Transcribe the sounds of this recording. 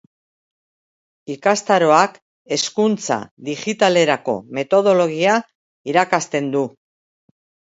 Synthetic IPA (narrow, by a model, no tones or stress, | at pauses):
ikast̪aɾo̞ak | e̞skunt͡sa̰ðiʝit̪ale̞ɾako̞̰me̞t̪o̞ð̞o̞lo̞ɣia | iɾakast̪e̞nd̪u